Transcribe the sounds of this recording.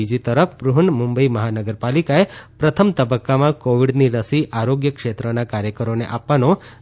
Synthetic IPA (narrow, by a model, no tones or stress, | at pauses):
id͡ʒit̪əɾəfpɾuɦɳmumbəiməɦanəɡəɾpalikaepɾət̪ʰəmt̪əbəkːamãkoʋiɽniɾəsiʔaɾoɡjəkʃet̪ɾənakaɾjəkəɾoneʔapʋano